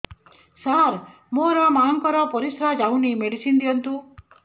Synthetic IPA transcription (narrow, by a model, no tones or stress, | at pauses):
saɾ | moɾɔmaŋkɔɾɔpɔɾisɾad͡ʒawnimeɽisind̪iɦɔnt̪u